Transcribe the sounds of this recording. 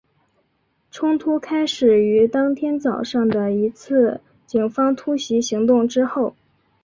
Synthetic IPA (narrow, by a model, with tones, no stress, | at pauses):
ʈ͡ʂʰʊ˥ŋt̪ʰu˥kʰa˥ɪʂɻ̩˨˩y˧˥t̪ɑ˥ŋt̪ʰjɛ˥nt͡sɑ˨˩ʊʂɑ˥˩ŋd̪ə˩i˧˥t͡sʰɹ̩˥˩ | t͡ɕi˨˩ŋfɑ˥ŋt̪ʰu˥ɕi˧˥ɕi˧˥ŋt̪ʊ˥˩ŋʈ͡ʂɻ̩˥xo˥˩ʊ